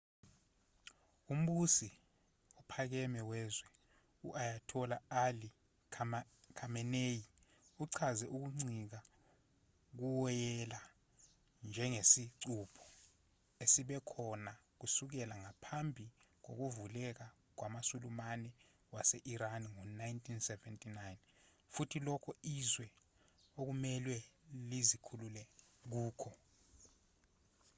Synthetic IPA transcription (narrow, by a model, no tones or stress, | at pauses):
um̩ɓusi | ɔpʰak̬ɛmɛwɛːzwɛ | uʔajatʰɔlaali | kʰamɛneji | uǀʰazɛʔuk̬uŋ͡ǀik̬a | k̬uwɔjɛla | nd͡ʒʱɛŋesiǀupʰɔ̥ | esiɓɛkʰɔnak̬usuk̬ɛlaŋapʰambʱik̬o̰k̬uvulɛk̬a | k̬wamasulumanɛ | waseʔiraniŋɔnajntʰinsɛvɛntʰʼinajn | futʰilɔkʰɔizwɛ | ok̬umɛlwɛlizikʰululɛk̬uːkʰɔ